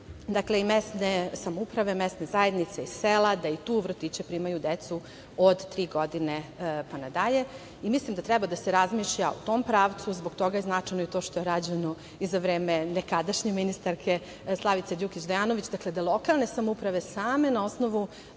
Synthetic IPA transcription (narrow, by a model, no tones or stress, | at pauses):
d̪akle̞imest̪nesamoupɾaʋe̞mest̪ne̞zaje̞d̪nit̪seiselˠad̪ait̪uːʋr̩t̪it͡ɕepɾiːmajud̪et̪su | od̪t̪ːɾiːɡo̞d̪inepanad̪aʎe̞ | imislimd̪at̪ɾɛbad̪ase̞ɾazmiːʃʎaṵt̪o̞ːmpɾaːʋt̪suzbo̞ɡt̪o̞ɡajeznat͡ʂajnoit̪o̞ːʃt̪o̞jeɾad͡ʑeno | izaʋɾeːmenekad̪aʃɲeminist̪aɾkʰe̞ | slˠaʋit̪sed̪ukit͡ɕd̪ajaːnoʋit͡ɕd̪akled̪alˠo̞kalˠne̞samoupɾaʋe̞saːme̞nao̞sno̞ʋu